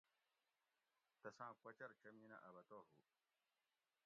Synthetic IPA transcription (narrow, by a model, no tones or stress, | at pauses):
t̪ɐsãːkʷɐt͡ɕɐɾt͡ɕɐmiːnɐ̰ʔɐbɐt̪oːɦu